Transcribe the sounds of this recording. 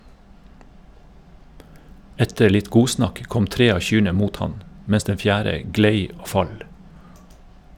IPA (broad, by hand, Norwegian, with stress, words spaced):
ˈɛtə ˈɭɪt ˈɡuːˌsnɑk ˈkɔm ˈtɾeː ˈɑː ˈçyːɳə ˈmuːt ˈhɑn ˈmɛs ˈdɛn ˈfjæːɾə ˈɡleɪ ˈoː ˈfɑl